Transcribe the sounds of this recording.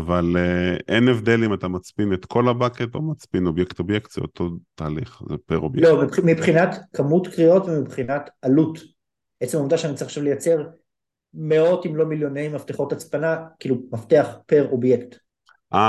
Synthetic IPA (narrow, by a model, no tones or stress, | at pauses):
avaleʔenevd̪e̞limat̪amat͡spinet̪kʰo̞labaket̪omat͡spino̞bjekt̪objekt̪zeo̰t̪ʰo̞t̪aːliχzepeʁobjlomimipχinatkamutkʁio̞tvemipχinatalut | et͡semomd̪aʃeanit͡saiχaʃavlejat͡se̞ʁ | meo̞timlo̞miljo̞nejmafteχo̞tat͡spanakiːlumafte̞aχpe̞ʁo̞bjekt | a